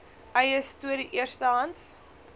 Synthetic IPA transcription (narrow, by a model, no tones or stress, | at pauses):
ɐjəstuədiʔiərstəɦɐnts